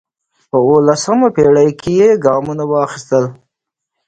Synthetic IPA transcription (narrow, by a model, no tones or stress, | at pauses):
pəolasəmapeɽajkejeɡɑmunawɑxist̪əl